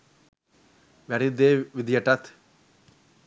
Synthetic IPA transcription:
ʋɐɽid̪eʋid̪ijɐʈːat̪ʰ

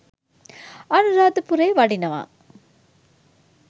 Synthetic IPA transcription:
ɐnuɾaːd̪ɐpuɾeːʋɐɖinɐʋa̰ː

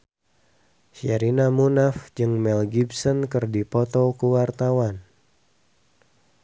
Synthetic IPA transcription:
ʃiaɾinamunafd͡ʒɨŋmɛlɡibsɔnkɨrdipɔt̪ɔkuwart̪awan

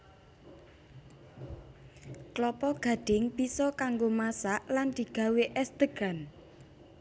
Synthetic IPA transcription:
klɔpɔɡ̥ä̤ɖ̥ɪŋb̥isɔkaŋɡomasaʔland̪̥i̤ɡ̥ä̤weʔɛsd̪̥əɡ̥a̤n

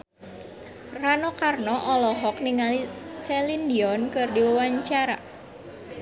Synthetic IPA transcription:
ranɔkarnɔʔɔlɔɦɔk̚niŋalisɛlind̪iɔnkɨrdiwəwaɲt͡ʃaɾa̰

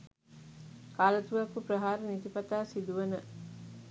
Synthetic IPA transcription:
kaːlɐt̪uʋɐkupɾəɦaːɾənit̪ipɐt̪aːsid̪uʋɐnə

